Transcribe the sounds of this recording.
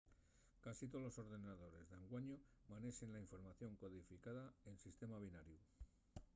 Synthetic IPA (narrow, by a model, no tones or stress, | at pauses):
kasit̪o̞lo̞so̞ɾðe̞naðo̞ɾe̞zðeŋɡwaɲomane̞se̞nlaiɱfo̞ɾmaθjo̞ŋko̞ðifikaðae̞nsist̪e̞maβ̞inaɾju